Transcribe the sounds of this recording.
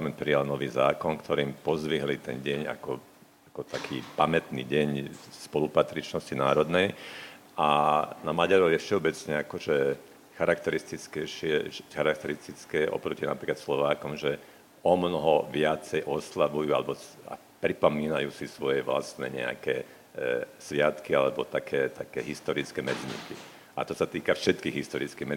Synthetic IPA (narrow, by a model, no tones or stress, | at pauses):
alamɛnt̪pɾijalnɔʋiːza̰ːkɔnkt̪ɔɾiːmpɔzʋiɦlit̪ɛnɟɛɲa̰kɔ | akɔt̪akʰiːpamɛt̪nḭɟɛɲspɔlupat̪ɾit͡ʃnɔscinaːɾɔd̪nɛj | ʔanamaɟaɾɔʋjɛfʃɛɔbɛt͡sɲɛakɔʒɛ | xaɾakt̪ɛɾist̪it͡skɛʃɪɛxaɾak̚t̪ɛɾist̪it͡skɛʔɔ̰pɾɔcina̰pɾiːklat̪slɔʋaːkɔmʒɛ | ɔmnɔɦɔʋɪat͡sɛjʔɔslaʋujuːalɛbɔa̰ | pɾipɔmiːnajuːsisʋɔjɛʋla̰st̪nɛ̰ɲɛ̰a̰kɛː | sʋɪat̪kialɛbɔt̪akʰɛːt̪akɛːɦist̪ɔɾit͡skɛmɛd͡zɲḭki | a̰t̪ɔsat̪iːkafʃɛt̪kiːɣɦist̪ɔɾit͡skiːɦmɛ